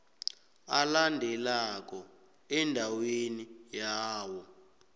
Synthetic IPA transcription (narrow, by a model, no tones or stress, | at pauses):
alandʱɛlak̬ɔ | ɛndʱawenijaːwɔ